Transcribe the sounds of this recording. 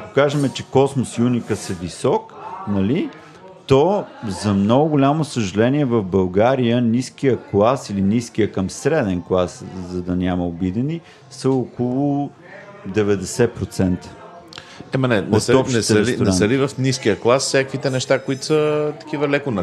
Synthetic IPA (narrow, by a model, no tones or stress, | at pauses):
ɐko̥kaʒɛmɛt͡ʃɛkɔsmosiunikəsɛvisɔknɐli | t̪ozɐmnɔɡʊɡʊlʲamosəʒɐlɛniɛvəfbɐlˠɡaɾijəniskijəklˠasiliniskijəkəmsɾɛd̪ɛnklˠaszɐd̪ɐnʲaməobid̪ɛni | səokolˠʊ | d̪ɛvɛd̪ɛsɛpɾot̪sɛnt̪ə̥ | ɛmɐnɛnoɔʃɛsəlinɛəlivɐfniskijəklˠasfsʲakvit̪ɛnɛʃt̪akʊit̪ʊ̥sət̪ɐ̥k̟ivɐlɛkʊnɐ